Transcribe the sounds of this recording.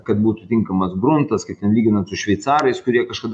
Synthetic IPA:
kɐt̪̚buːt̪ʊt̪ʲɪŋkɐmɐsbɾʊnt̪ɐskɐɪp̚t̪ʲɛnlʲiːɡʲɪnɐt̪sʊʃʲʋʲɛɪt̪sɑːɾɐɪskʊɾʲiɛkɐʃkɐd̪

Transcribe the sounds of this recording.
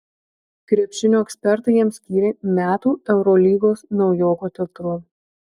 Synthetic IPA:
kɾʲiɛpʲʃʲɪnʲoːɛksʲpʲɛɾt̪ɐɪjiɛmsʲkʲiːɾʲeːmʲæːt̪uːɛʊɾɔlʲiːɡoːsnɒʊjoːkoːt̪ʲɛt̪ɾʊ

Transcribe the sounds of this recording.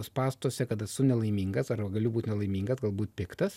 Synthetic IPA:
spɑːst̪oːsʲɛkɐt̪ɐsʊnʲɛlˠɐɪmʲiːŋɡɐsɐrbɐɡɐlʲʊbuːt̪nʲɛlˠɐɪmʲiːŋɡɐsɡɐlˠbuːt̪ʲpʲɪkt̪ɐs

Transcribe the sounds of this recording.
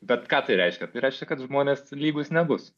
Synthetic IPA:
bʲɛt̪kɑːt̪ɐɪɾʲɛɪʃʲkʲɛt̪ɐɪɾɛɪʃʲkʲɛkɐt̪ʒmoːnʲeːslʲiːɡʊsnʲɛbʊs

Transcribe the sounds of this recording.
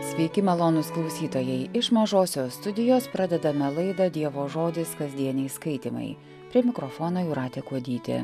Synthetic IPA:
sʲʋʲɛɪkʲɪmʲɐlˠoːnʊsklˠɒʊsʲiːt̪oːjɛɪʔɪʃmɐʒoːsʲoːst̪ʊd̪ʲɪjoːspɾɐd̪ʲɛd̪ɐmʲɛlˠɐɪd̪ɐd̪ʲiɛʋoːʒoːd̪ʲɪskɐzʲd̪ʲiɛnʲɛɪskɐɪt̪ʲḭmɐ̰ɪ | pʲɾʲiɛmʲɪkɾɔfoːnoːjʊːɾɑːt̪ʲeːkuɔd̪ʲiːt̪ʲɪ̰

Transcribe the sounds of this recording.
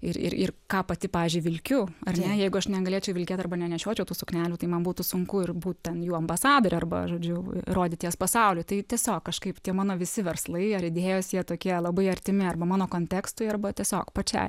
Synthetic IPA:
ɪɾɪ̰ɾɪ̰rkɑːpɐt̪ʲɪpɑːʋʲiːzʲd͡ʒʲʊɪʋʲɪlʲkʲʊɐrʲnʲɛjɛɪɡʊɐʃnʲɛɡɐlʲeːt͡ʃʲɛʊʋʲɪlʲkʲeːt̪ɐrbɐnʲɛnʲɛʃʲoːt͡ʃʲɛʊt̪uːsʊknʲæːlʲuːt̪ɐɪmɐnbuːt̪ʊsʊŋkʊɪrbuːt̪tʲɛnjuːɐmbɐsɑːd̪oːɾʲʊɐrbɐ̰ʒoːd͡ʒʲʊroːd̪ʲɪt̪ʲiɛspɐsɐʊlʲʊɪt̪ɐɪtʲiɛsʲoːkkɐʃkɐɪpt̪ʲiɛmɑːnoːʋʲɪsʲɪʋʲɛrslˠɐɪɐɾɪd̪ʲeːjosjiɛt̪oːkʲiɛlˠɐbɐɪɐrʲt̪ʲɪmʲɪɐrbɐmɑːnoːkoːnʲt̪ʲækst̪ʊɪɐrbɐt̪ʲiɛsʲoːkpɐt͡ʃʲɛ̰ɪ

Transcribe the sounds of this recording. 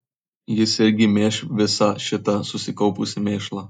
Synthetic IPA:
jɪsɪɾʲɡʲɪmʲeːʃʋʲɪsɑʃʲɪt̪ɐsʊsʲɪkɒʊpʊsʲɪmʲeːʃlˠɐ

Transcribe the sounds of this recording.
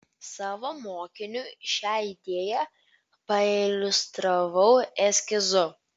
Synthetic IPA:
sɑːʋomoːkʲɪnʲuːʃʲɑːɪd̪ʲeːjɛ | pɐɪlʲʊst̪ɾɐʋɐʊɛsʲkʲɪzʊ

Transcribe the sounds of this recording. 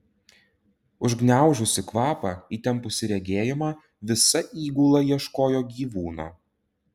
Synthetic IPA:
ʊʒɡnʲæˑʊʒʲʊsʲɪkʋɑːpɑːiːt̪ʲɛmpʊsʲɪɾʲɛɡʲeːjɪmɑː | ʋʲɪsɐʔiːɡuːlˠɐjiɛʃkoːjoːɡʲiːʋuːnɑ̰ː

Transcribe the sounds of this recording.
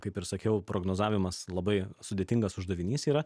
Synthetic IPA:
kɐɪpɪɾsɐkʲɛʊpɾoːɡnoːzɑːʋʲɪmɐslˠɐbɐɪsʊd̪ʲeɛt̪ʲɪŋɡɐsʊʒd̪ɐʋʲɪnʲiːsiːɾɐ

